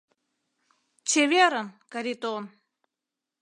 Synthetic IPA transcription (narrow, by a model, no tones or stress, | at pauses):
t͡ɕevʲeɾənkɐɾʲit̪on